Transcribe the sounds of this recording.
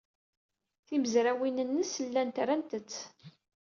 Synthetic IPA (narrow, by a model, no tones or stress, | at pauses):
θiməzɾæwinənːəsəlːænt̪ɾænt̪ət͡sː